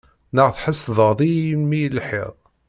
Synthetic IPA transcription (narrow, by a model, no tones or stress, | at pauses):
nəʁθħəsðˤəʁðˤimmijəlħɪ̰ʁˤ